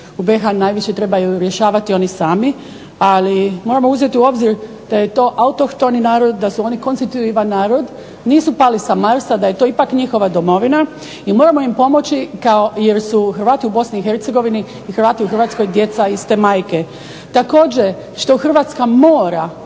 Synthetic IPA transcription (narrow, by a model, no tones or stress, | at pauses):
ube̞xanaːjʋiʃe̞t̪ɾe̞bajuɾje̞ʃaːʋat̪io̞nisaːmi | alimoɾamouze̞t̪iuo̞bziɾ | d̪̥aje̞t̪o̞ːʔaut̪okt̪o̞ninaːɾo̞d̪̚ːasuo̞niko̞nst̪it̪uiʋanːaːɾo̞d̪ | niːsupalisamaɾsad̪aje̞t̪o̞ipakɲixo̞ʋad̪omo̞ʋina | imo̞ːɾamo̞impo̞mo̞t͡ɕikaoje̞ɾsuxɾʋaːt̪iubo̞sniixe̞ɾt̪se̞ɡo̞ʋiniːxɾʋaːt̪iuxr̩ʋaːt̪sko̞jd̪je̞t̪saist̪e̞maːjke̞ | t̪ako̞ːd͡ʑe | ʃt̪o̞xr̩ʋaːt̪skamoːɾa